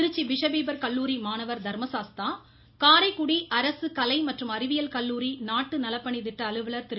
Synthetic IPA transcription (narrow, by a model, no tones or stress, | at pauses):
ɪɾɯt͡ʃːiʋɪʂɐʋiːbɐɾkɐlːuːɾimaːnɐʋɐɾd̪ʱɐɾmɐsaːst̪aː | kaːɾɐɪkːʊɽiʔɐɾɐsɯkɐlɐɪmɐʈrɯmɐɾɪʋɪjɐlkɐlːuːɾinaːʈːɯnɐlɐpːɐɳit̪ɪʈːɐːlɯʋɯɭɐɾt̪ɪɾ